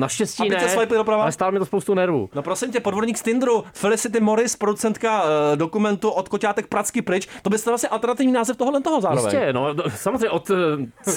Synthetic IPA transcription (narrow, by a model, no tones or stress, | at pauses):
naʃcɛsciːnɪɛɛsvajplɪdopɾavaalɛst̪alomɪt̪ospowst̪unɛɾvṵːnopɾo̞sɪmcɛpodvo̞dɲiːkst̪ɪnd̪ɾufɪlɪsɪt̪̬ɪmoɾɪspɾodut͡sɛnt̪kado̞kumɛnt̪uʔot̪kocaːt̪ɛk̚pɾat͡skɪpɾɪt͡ʃt̪obɪst̪alvlasɲɛʔalt̪ɛɾnat̪ɪvɲiːnaːzɛft̪oɦodlɛnt̪oɦozaːɾovɛ̰ɲɛnosamozrejɲɛʔot̪